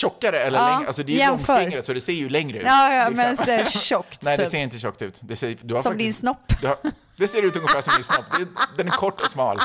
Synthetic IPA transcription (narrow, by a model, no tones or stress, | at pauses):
ʃɔkːaɾəɛlːəɭɑːɛa̰lsɔd̪ɛjɛnɔŋfœːɛɾŋɾəsɔd̪ɛseːɾjɵlɛŋɾəʉ̟ɑːjmɛnsd̪ɛʃɔkːt̪ɛɛd̪ɛːseːɾɪnt̪əʃɔkːt̪ʉ̟̰ːt̪d̪ɛsed̪ɵaɾfsɔmd̪ɪnsnɔpːd̪ɵa | d̪ɛseːɾʉ̟ːt̪ɵŋːəfæːʂsɔmd̪ɪnsnɔpːd̪ɛd̪ɛnæɾɾkʰɔʈːɔsmɑ̰ːl